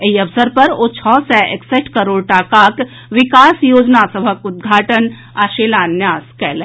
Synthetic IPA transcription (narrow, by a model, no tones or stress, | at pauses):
eɦiɐʋsəɾpɐɾot͡ʃʰɔsɛʔekseʈkəɾoːɽʈaːkaːk | ʋɪkaːsjoːd͡ʒnasɐbʱəkud̪̚ɡʱaːʈən | aʃeːlaːnjaːskɛːle